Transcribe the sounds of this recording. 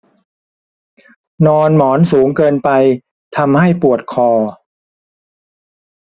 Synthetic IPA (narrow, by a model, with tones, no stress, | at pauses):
nɔː˧nmɔː˩˦nsuː˩˦ŋkɤː˧npa˧j | t̪ʰa˧mha˥˩jpu˨˩ət̪̚kʰɔː˧˩